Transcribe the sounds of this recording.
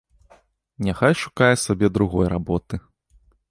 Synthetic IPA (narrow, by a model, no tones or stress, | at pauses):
nʲaxajʂu̥kajɛsabʲɛd̪ɾuɣɔjrabɔt̪ɨ